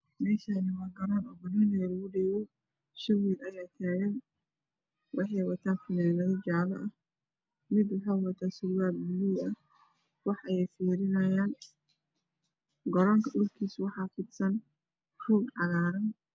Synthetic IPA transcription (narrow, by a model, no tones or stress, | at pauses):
mɛːʃanɪwɑːɡɐɾaːnɔːbɐnɐnɛjɐlɐɣʊɖɛːwɛ | ʃɐwiːlɐjaːt̪ʰaːɣɐn | wʔɑħɑjwɐt̪ʰaːnfʊnɛːnɐðɔd͡ʒalɐʔɐh | mɪd̪wɑħɑjwɐt̪ʰaːsʊlwaːlbɪliɐ | wɑħɐjɛjfuːɾɪnɐjaːn | ɡɔɾaːŋkʰɐʔʊrkʰiːswɑħɑːfɪd̪sɐn | ruːɡʕɑɣaːɾɐn